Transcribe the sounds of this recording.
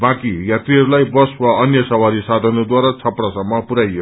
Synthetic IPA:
bãkijat̪riɦʌɾulajbʌswaʌnjʌsʌwaɾisad̪ʱʌnod̪waɾat͡sʰʌpɽasʌmːʌpuɾajo

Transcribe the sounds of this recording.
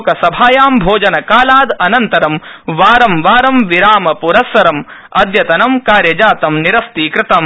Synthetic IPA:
kɐsɐbʱaːjaːmbʱoːd͡ʒɐnɐkaːlaːd̪ɐnɐnt̪ɐɾɐmʋaːɾɐmʋaːɾɐmʋiɾaːmɐpuɾɐsʋɐɾɐm | ɐ̰d̪jɐt̪ɐnɐmkaːɾjɐd͡ʒaːt̪ɐmniɾɐst̪iːkɾɪt̪ɐm

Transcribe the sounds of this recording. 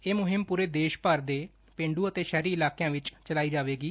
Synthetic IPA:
eːmʊɦɪmpuːɾeːd̪eːʃpəɾd̪eː | pẽːɳɖuːət̪eːʃɛːɾiːɪlaːkejãːʋɪt͡ʃt͡ʃəlaːiːd͡ʒaːʋeːɡiː

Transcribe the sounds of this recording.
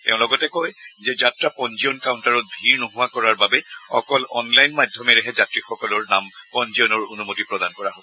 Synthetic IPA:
tɛʊ̃lɔɡɔtɛkojzɛzatɹapɔnziɔnkawʊntaɹɔt̚bʱiɹnuɦʊwakɔɹaɹbabɛɔ̰kɔlɔnlajnmadʱɔmɛɹɛɦɛzatɹixɔkɔlɔɹnampɔnziɔnɔɹonumotipɹɔdankɔɹaɦobɔ

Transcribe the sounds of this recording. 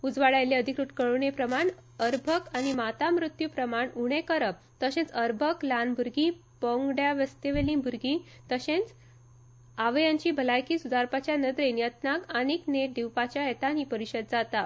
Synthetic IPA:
ud͡zʋaɭajleəd̪ʱikɾuʈkəɭunepɾəmaɳəɾbʱəkañimat̪amɾut̪jupɾəmaɳuɽ̃ekəɾəb̚t̪əɕẽt͡səɾbʱəklanbuɾɡĩpɔ̃ŋɡɖjaʋəst̪eʋelĩbʱuɾɡĩ | t̪əɕẽt͡s | aʋjãɲt͡ɕibʱəlajkiːsud̪aɾpat͡ɕjanəd̪ɾenjət̪nakanikneʈ̚d̪iwpat͡ɕjaɦɛt̪ãɦipəɾiɕəd̪̚d͡zat̪a

